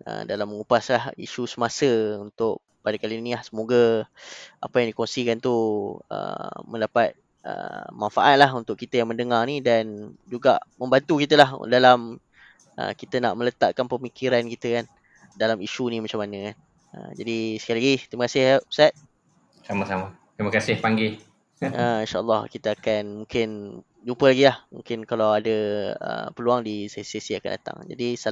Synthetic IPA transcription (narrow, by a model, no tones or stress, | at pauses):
ə̰dalamːəŋupaslahḭʃusəmasəunt̪ʊʔ | padakalinilahsəmoɡə | ʔa̰pəjaŋdikonsikant̪uə̰mə̃ndapat̪̚ | ə̰manfaʔat̪̚lahɦunt̪ʊʔ̚kit̪əjaŋməndəŋarnidand͡ʒuɡaʔmə̃mbant̪ukit̪̬əlahdalam | ʔə̰kit̪əna̰ʔmələt̪aʔkanpəmikiɾankit̪əkan | dalamiʃunĩmat͡ʃamːanəkan | ə̰d͡ʒadisə̥kajilaɡit̪ɾiməkasɪhap̚sat̪̚ | samasama | t̪ɾiməkasɪhpaŋɡɪ | əinʃaʔə̰lːɑhkit̪əakanmuŋkɪn | d͡ʒumpəlaɡilahmṵŋkɪnkalawadəə̰pəluaŋdisesesiaka̰nda̰t̪a̰ŋd͡ʒa̰disa